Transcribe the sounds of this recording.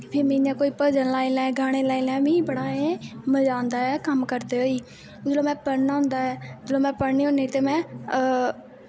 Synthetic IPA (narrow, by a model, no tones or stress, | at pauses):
pʰɪːɾmɪ̃ãːkoːiːpəd͡ʒənlaːiːlɛ̃ːɡʱaːɽ̃eːlaːiːlɛ̃ːmĩːbəɽaːẽməd͡ʒãːnd̪aːɛːkəmkəɾt̪eːoːiː | d͡ʒəloːmɛ̃ːpəɽnaːɦʊ̃nd̪aːɛːd͡ʒloːmɛ̃ːpəɽniːʊ̃niːt̪eːmɛ̃ː